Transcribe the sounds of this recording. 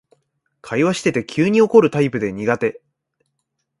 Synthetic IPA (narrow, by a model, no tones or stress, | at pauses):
kʰaiβaɕi̥t̪e̞t̪e̞kʲʰɨːɲ̟io̞ko̞ɾɯ̟t̪aipɯ̟d̪e̞ɲ̟iɡat̪e̞